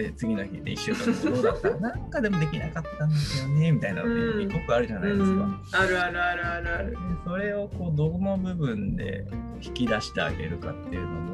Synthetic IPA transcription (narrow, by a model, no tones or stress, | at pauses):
et͡sɨɡʲino̞çid̪ḛiɕːɨood̪aanãŋkad̪e̞mo̞d̪e̞kʲinakat̪ːãnd̪eonemʲit̪aina̰iɲʲiɡokɯ̟aɾɯ̟ʑanaidesɨka | aɾɯ̟aɾɯ̟aɾɯaɾɯad̪eso̞ɾe̞o̞ko̞ːd̪ono̞bɯ̟bɯ̟̃nd̪e̞̰koçi̥kʲid̪aɕi̥t̪e̞a̰ɡe̞̰ɾɯ̟ka̰t̪ːe̞̰ɯ̟no̞mo